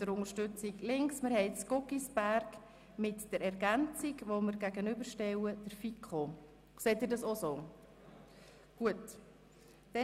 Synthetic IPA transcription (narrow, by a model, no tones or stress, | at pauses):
d̥əɾʊŋəɾʃtʏt͡sɪɡlɪŋksməɾhɦɛɪskokisb̥æɾk | mɪtd̥əɾɛɾɡænt͡sɪɡʋoməɾɡæɡənʏbəɾʃtɛwəd̥əɾfikχo | seːt̪̚dɪːɾdɑsosoː | ɡ̥uət | d̥ɛ